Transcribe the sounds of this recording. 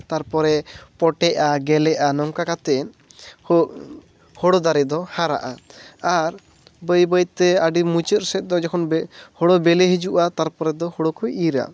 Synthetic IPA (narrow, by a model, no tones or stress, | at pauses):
t̪aɾpɔɾɛpɔʈɛʔaɡɛlɛʔanɔŋkakat̪ɛn | hɔɽɔd̪aɾɛd̪ɔhaɾa̰ʔaaɾ | bəjbəjt̪ɛaɖimut͡ʃət̪̚sɛt̪̚ˀd̪ɔd͡ʒɛkʰɔnhɔɽɔbɛlɛɦid͡ʒuʔat̪aɾpɔɾɛd̪ɔhɔɽokʰujʔiɾa̰